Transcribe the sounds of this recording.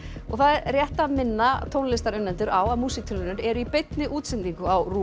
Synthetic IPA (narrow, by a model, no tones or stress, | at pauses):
ɔ̰ɣθaðɛɾrjɛht̪amɪnːat̪ʰoːwnlɪst̪aɾʏnːɛnt̪ʏɾawaðmuːsik̚t̪ʰʏnʏɾɛɾʏipejt̪nɪʔuːt̪sɪnt̪iŋkʏawruː